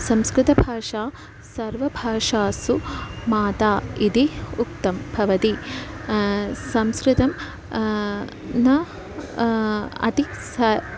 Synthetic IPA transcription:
sɐmskɾɪt̪ɐbʱaːʂaː | sɐɾʋɐbʱaːʂaːsumaːt̪aːid̪iuk̚t̪ɐmbʱɐʋɐt̪i | sɐmskɾɪt̪ɐm | nɐ | ɐ̰t̪isɐ

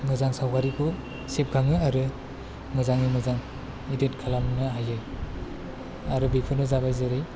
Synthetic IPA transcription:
mɯzaŋsawkʰaɾipʰu | sep̚kʰaŋɯaɾɯ | mɯzaŋimɯzaŋ | idetkʰalamnɯɦajɯ | aɾɯbikʰɯnɯzabajzɯɾɯj

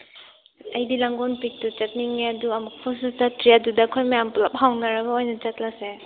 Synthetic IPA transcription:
ajdilaŋɡɔnpik̚tut͡ʃat̚niŋeaduamuk̚pʰɔsisdatɾijadudakʰojmajamplap̚hawnaɾaɡaojnat͡ʃat̚lase

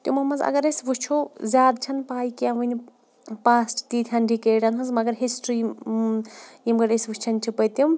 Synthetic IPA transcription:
t̪jumɐmɐnzɐ̰ɡɐɾesʋut͡ʃʰozʲjaːd̪t͡ʃʰɐnpaːjkiaʋɨni | paːsʈt̪it̪ʲʰjanɖikeːɖɐnɦunzmɐɡɐɾɦisʈɾi | jimɡɐɾesʋut͡ʃʰɐnt͡ʃʰipɐt̪um

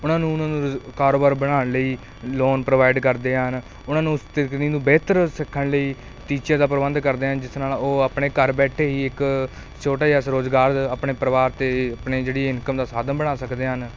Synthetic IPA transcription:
ʊnãːnũːʊnãːnũːkaːɾoːbəɾbəɽ̃aːɳləiː | loːnpɾəʋaːɪɖkəɾd̪eːɦən | ʊnãːnũːst̪ɪkniːnũːbɛːt̪əɾsɪkʰːəɳləiː | t̪iːt͡ʃjãːd̪aːpɾəbənd̪kəɾd̪eːɦənd͡ʒɪsnaːloːapɳeːkəɾbɛːʈʰeːɦiːɪk | t͡ʃʰoːʈaːaːsɾoːzɡaːɾd̪əpɳeːpɾəʋaːɾt̪eːəpɳeːd͡ʒeːɽiɪnkəmd̪aːsaːd̪ənbəɽ̃aːsəkd̪eːɦən

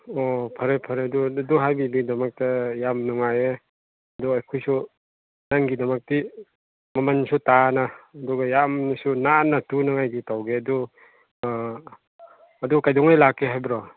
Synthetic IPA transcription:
ɔpʰɐɾepʰɐɾeduduɦajbibidɐmak̚tajamnuŋaje | ɐdɔajkʰɔjsu | naŋɡidɐmak̚ti | mɐmansutanaːduɡajamnisunanatunaŋajɡitawɡeɐdu | dukajdɔŋajlakːeɦajbɾɔ

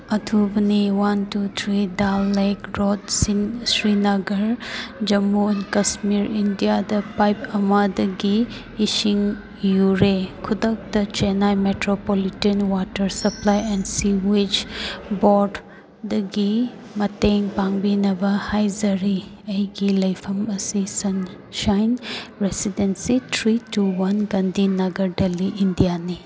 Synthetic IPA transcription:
ɐtʰubɐniwantut̪ʰɾidalːejkɾod̚ssɾinɐɡɐɾd͡ʒɐmunkɐsmiɾindijadɐpajpɐmɐdɐɡiː | siŋ | juɾekʰudɐk̚tɐt͡ʃenajmetɾopolitenwatɐɾsɐplajɛnsiwed͡ʒboɾd | dɐɡi | mɐteŋpaŋbinɐbɐhajzɐɾiɐjɡilɐjpʰɐmɐsisɐn | ʃajnɾesidensitʰɾituwɐnɡɐndinɐɡɐɾdɐliʔːndijani

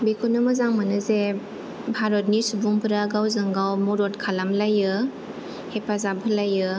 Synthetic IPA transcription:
bikʰunɯmɯzaŋmanɯze | bʱaɾɔt̚nisubuŋpʰɯɾaɡawzɯŋɡawmoɾot̚kʰalamlajɯ | hepazabʰʱɯlajɯ

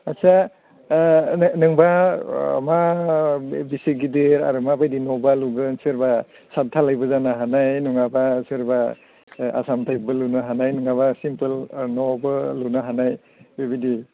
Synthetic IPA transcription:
asa | nɯŋba̰ | ma | bisiɡidɯɾa̰ɾɯmabajdinɔbaluɡɯnsɯɾba | satʰalajbɯzanaɦanajnuŋabasɯɾba | a̰samtʰaj̚bɯlunɯɦanajnɯŋaβasimpɯlnɔbɯlːunaɦanaj | bebidi

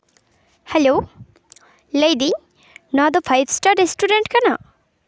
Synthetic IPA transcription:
hɛlo | lejd̪i | nɔd̪opʰajd̪sʈaɾesʈuɾeɳʈkana̰

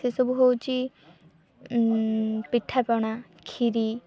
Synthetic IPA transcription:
sesɔbuɦowt͡ʃi | piʈʰapɔɽ̃akʰiɾi

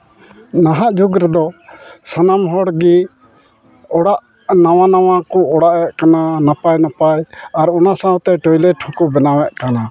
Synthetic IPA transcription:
naɦaʔd͡ʒuɡɾɛd̪ɔsanamɦɔɽɡi | ɔɽaʔ | nawanawakɔɔɽaʔɛʔ̚kananapajnapajaɾɔnasãɔt̪ɛʈɔjlɛʈʰɔ̃kɔbɛnawɛʔkana

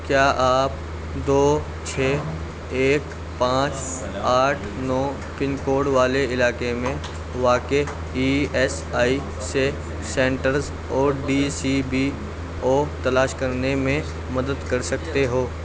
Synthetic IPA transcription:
kjaːʔaːp̚ | d̪oː | t͡ʃʰeː | eːk | pãːt͡ʃ | aːʈʰnɔː | pɪnkoːɽʋaːleɪlaːkemẽ | ʋaːke | iːɛːs | aːi | se | sɛ̃ːɳʈəɾz | ɔːɾɖiːsibi | oːt̪ɐlaːʃkɐɾnemẽ | mɐd̪əd̪kɐɾsɐkt̪eɦoː

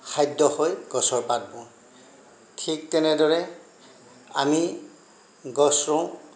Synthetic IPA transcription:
xʰajdːɔhojɡ̥ɔsɔɹpat̚bɔ̃ | tʰik̚tɛnɛdɔɹɛ | a̰mi | ɡɔsɹɔ̃

